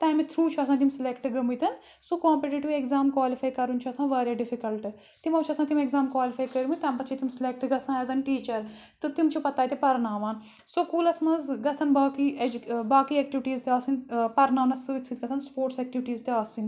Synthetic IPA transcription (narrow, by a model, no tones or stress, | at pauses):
t̪ɐːjmit̪ʰɾuːt͡ʃʰuɐs̬ãːt̪imsɪlekʈɨɡɐmit̪ɐn | sukãːmpiʈeɖʈːuekzaːmkwaːlifaːjkɐɾunt͡ʃʰuɐsãːʋaːɾʲjaːɖifikɐlʈɨ | t̪imɐʋt͡ʃʰɐsãːt̪imekzaːmkwaːlifʰaːjkɐɾimɨt̪ɐːmbɐt̪ːt͡ʃʰit̪imsɪlek̚ʈɡɐsãːɐzɐnʈiːt͡ʃɐɾt̪ɨt̪imt͡ʃʰupɐt̪aːjt̪ipɐɾnaːʋaːn | sokuːlɐsmɐzɡɐsɐnbaːkied͡ʒbaːkiːeːk̚ʈiʋiʈiːzt̪eaːsinpɐɾnaːʋnɐsɨsʰit̪ɡɐsʰɐnspoːʈseːk̚ʈiʋʈiːzt̪eaːsin